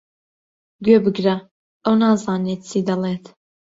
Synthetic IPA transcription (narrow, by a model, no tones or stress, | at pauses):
ɡɥeːbɨɡɾɐ | ɐwnɑːzɑːneːt̪t͡sʰid̪ɐlˠeːt̪